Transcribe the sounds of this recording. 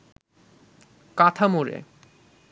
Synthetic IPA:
kat̪ʰamoɾḛ

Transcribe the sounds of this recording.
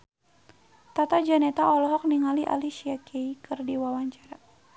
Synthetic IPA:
t̪at̪ad͡ʒanɛt̪aɔlɔɦɔk̚niŋaliʔa̰liʃiakʰɛikɨrdiwawaɲt͡ʃaɾa

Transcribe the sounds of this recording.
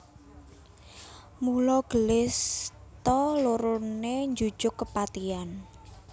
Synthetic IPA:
mulɔɡ̥əlɪst̪ɔloɾoneɲd͡ʒu̥d͡ʒ̥ʊkːəpat̪ian

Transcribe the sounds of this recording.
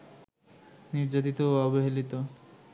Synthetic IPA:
niɾd͡ʑat̪̬it̪oɔboɦelit̪o

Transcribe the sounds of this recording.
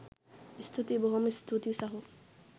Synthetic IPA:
ist̪ʰut̪ibɔɦɔmist̪ʰut̪isaɦo

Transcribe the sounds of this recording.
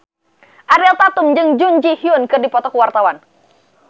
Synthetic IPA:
ʔaɾɛlt̪at̪ʊmd͡ʒɨŋd͡ʒuɲd͡ʒihiʊnkɨrdipɔt̪ɔkuwart̪awan

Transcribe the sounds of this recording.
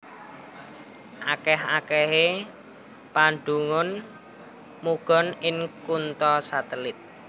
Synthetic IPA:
ʔakɛɦakɛɦe | paɳɖ̪uŋʊn | muɡ̥ɔ̤nɪŋkunt̪ɔsat̪əlɪt̪̚

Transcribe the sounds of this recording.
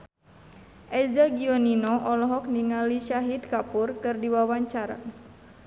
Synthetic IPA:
ʔɛzaɡiɔninɔʔɔlɔɦɔk̚niŋaliʃaɦid̪̚kapurkɨrdiwawaɲt͡ʃaɾa̰

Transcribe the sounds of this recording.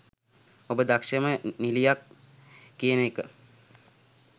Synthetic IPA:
obəd̪akʃəmənilijakː | ijənekə

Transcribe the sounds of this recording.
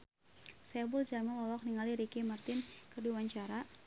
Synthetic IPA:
saɛabʊld͡ʒamanlɔlɔk̚niŋaliɾikimart̪ɪnkərduwaɲt͡ʃaɾa

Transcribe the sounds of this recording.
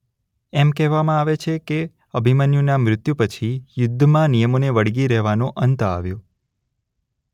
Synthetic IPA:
ɛmkɛɦʋamãaʋet͡ʃʰeke | əbʱimənjunamɾɪt̪jupət͡ʃʰijʊd̪ʱːəmãnijəmoneʋəɽɡiɾɛɦʋanõʔənt̪əa̰ʋjo

